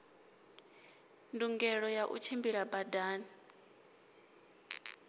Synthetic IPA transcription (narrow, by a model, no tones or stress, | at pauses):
nduŋɡɛɺɔjaʔṵt͡ʃʰimbiɺabadaːni